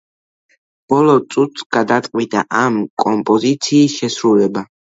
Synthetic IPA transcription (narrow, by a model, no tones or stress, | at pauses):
b̥ɔlɔt̪sʼut̪ʰɡ̥ad̪at̪ʼqʼwid̪a̰ʔamkʼɔmpʼɔzit̪sʰiːsʃɛsɾulɛba